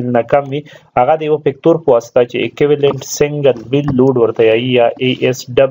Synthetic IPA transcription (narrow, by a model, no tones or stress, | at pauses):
lnakamwihaɣad̪əjawapɪk̚t̪oɾpəwast̪at͡ʃḛːkwɪwaleɳʈsɪŋɡəlwɪlːoɖwəɾt̪ajaijaʔeʔesɖab